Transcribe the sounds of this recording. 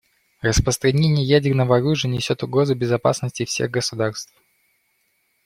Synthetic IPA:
rəspɾəst̪ɾɐnʲenʲɪjəjædʲɪrnəvəɐɾuʐɨjənʲɪsʲot̪ʊɡɾo̞zʊbʲɪzɐpa̰snəsʲtʲɪfsʲḛɣɡəsʊd̪arst̪f

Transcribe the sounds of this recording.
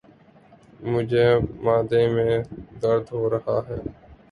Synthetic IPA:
mʊd͡ʒʱeːmaːd̪ẽːmẽːd̪əɾd̪ʱɦoːɾəhaːɦɛː

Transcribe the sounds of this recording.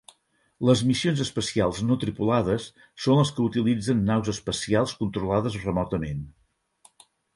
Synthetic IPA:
ləzmisionzəspəsialˠznot̪ɾipulaðəsː | onləskəut̪ilid͡zənːawzəspəsialˠskunt̪ɾulaðəzrəmɔt̪əmen

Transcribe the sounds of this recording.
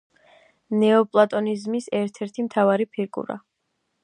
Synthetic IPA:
nɛɔpʼlˠat̪ʼɔnizmisɛɾt̪ʰɛɾt̪ʰimt̪ʰavaɾipʰiɾɡṵɾa̰

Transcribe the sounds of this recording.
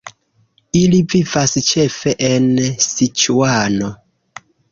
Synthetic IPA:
ilivivast͡ʃe̞feʔensit͡ʃuano

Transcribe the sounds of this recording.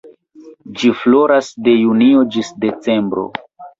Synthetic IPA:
d͡ʒiflo̞ɾasde̞junio̞d͡ʒisde̞t͡se̞mbɾo̰

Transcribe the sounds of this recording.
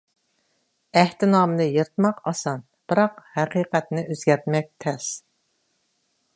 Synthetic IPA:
æht̪ɪnɑmɨnɨjəɾt̪mɑqɑsɑn | b̥ɨɾɑqhɛqiːqɛt̪nɨʔøzɡʲɛɾt̪mɛk̚ʲt̪ʰɛs

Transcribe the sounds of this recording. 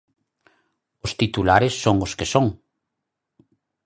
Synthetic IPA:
ost̪it̪ulaɾɪsːoŋoskesoŋ

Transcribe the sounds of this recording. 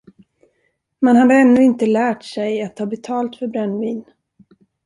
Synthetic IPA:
mɛnhad̪əɛnːɵɪnt̪əlæːʈsɛjat̪hɑːbɛt̪ʰɑːlt̪fœɾbɾɛnːviːn

